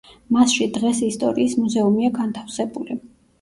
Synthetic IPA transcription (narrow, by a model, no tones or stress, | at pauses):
masʃid̪ʁɛsist̪ʼɔ̰ɾiːsmuzɛumiaɡant̪ʰafsɛbuli